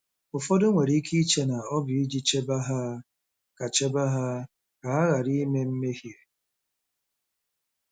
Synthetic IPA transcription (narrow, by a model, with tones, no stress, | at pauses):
ʊ˨fɔ˦dʊ˦ŋʷe˨ɾi˦kʰi˦i˦t͡ʃe˦na˨ɔ˦bɪ˨i˦d͡ʒi˦t͡ʃe˦ba˦ɦa˦ | ka˨t͡ʃe˦ba˦ɦa˦ | ka˨a˦ɣa˨ɾi˦me˦m̩˦me˦hi˦e˨